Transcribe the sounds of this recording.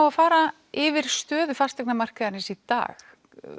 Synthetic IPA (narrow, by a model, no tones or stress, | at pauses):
wafaːɾa | ɪvɪɾ̥st̪œːðʏfast̪ɛknamar̥kaðaɾnɪsit̪a̰ːx